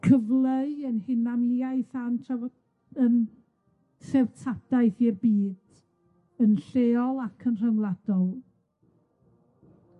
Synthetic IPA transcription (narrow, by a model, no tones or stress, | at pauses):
kʰəvlˠəənhɪnanjaɨθantʰa | ən | sɛwtʰad̥aɨθjɛbiːd̥ | ənɬeːɔlˠakʰənr̥əwlˠad̥ɔlˠ